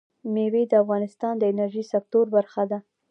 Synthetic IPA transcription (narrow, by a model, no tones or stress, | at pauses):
mewed̪əafɣɑnɪst̪ɑnd̪əɪnaɾʒisak̚t̪oɾbaɾxad̪a